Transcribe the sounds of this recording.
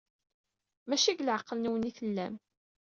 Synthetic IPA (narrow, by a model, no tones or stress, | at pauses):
mæʃiɡlʕəqːəlnuwəniθəlːæm